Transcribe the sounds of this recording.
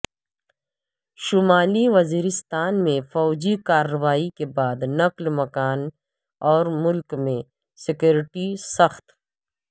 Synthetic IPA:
ʃʊmaːliʋɐziːɾɪst̪aːnmẽfɔːd͡ʒikaːɾːɐʋaːikebaːd̪nɐklmɐkaːn | ɔːɾmʊlkmẽ | sɪkjoːɾɪʈisɐxt̪

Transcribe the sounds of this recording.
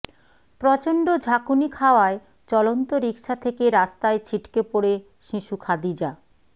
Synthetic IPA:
pɾɔt͡ɕoɳɖod͡ʑʱakunikʰaoae | t͡ɕɔlont̪oɾikʃat̪ʰekeɾast̪aet͡ɕʰiʈkepoɽe | ʃiʃukʰad̪id͡ʑa

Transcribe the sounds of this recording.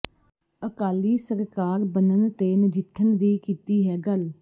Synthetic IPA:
əkaːliːsəɾkaːɾbənənt̪eːnɪd͡ʒɪt̪ʰːənd̪iːkiːt̪iːɦɛːɡəl

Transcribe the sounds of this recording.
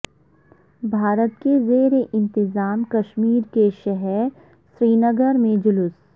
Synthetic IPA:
bʱaːɾət̪kezeːɾeʔɪ̃nt̪ɪzaːmkɐʃmiːɾkeʃɛɦɛɾ | ʃɾiːnəɡəɾmẽd͡ʒʊlʊs

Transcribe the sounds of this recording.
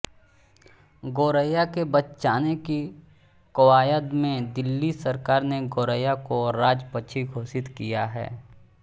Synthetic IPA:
ɡoːɾəjakebɐtːt͡ʃaːneki | kɐwaːjəd̪mẽd̪ɪlːisɐɾkaːɾneɡoːɾəjakoɾaːd͡ʒpət͡ʃʰiɡʱoːsɪt̪kijaɦɛ̰ː

